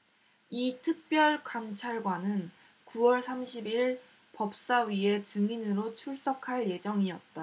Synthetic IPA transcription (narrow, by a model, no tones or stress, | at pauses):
itʰɯk̚p͈jʌɭkamt͡ɕʰaɭɡwanɯn | kuwʌɭsʰamɕʰibiɭ | pʌp̚s͈aɥie̞t͡ɕɯŋinɯɾot͡ɕʰuɭs͈ʌkʰaɭje̞d͡ʑʌŋiʌt̚t͈a